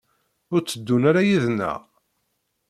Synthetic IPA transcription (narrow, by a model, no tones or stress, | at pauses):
ʊɾt͡sːəd̪ːunaɾajiðnːæ̰ʁ